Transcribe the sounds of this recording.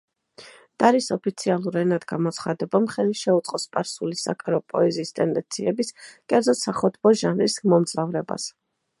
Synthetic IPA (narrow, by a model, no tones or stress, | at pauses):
d̪̥aɾisɔpʰit̪sʰialˠuɾɛnad̪ɡamɔt̪sʰχad̪ɛbamχɛliʃɛut̪sʼqʼɔspʼaɾsulisa̰kʼaɾɔpʼɔ̰ɛziːst̪ʼɛnd̪ɛnt̪sʰiɛbiskʼɛɾd̪zɔt̪saχɔd̪bɔʒanɾlismɔmd̪zavɾɛba̰s